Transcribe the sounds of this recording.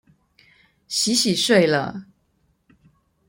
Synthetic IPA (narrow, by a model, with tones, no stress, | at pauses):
ɕi˧˥ɕi˨˩ʂwe˥˩ɪlə̰˨˩